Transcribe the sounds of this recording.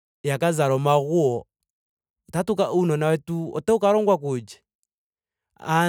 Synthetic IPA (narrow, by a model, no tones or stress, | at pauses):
jakazaɾɔmaɣuɔ | ɔtatukaʔunɔnawɛtuɔ̰tɛukaɾɔŋɡwakud͡ʒɛ̥ | a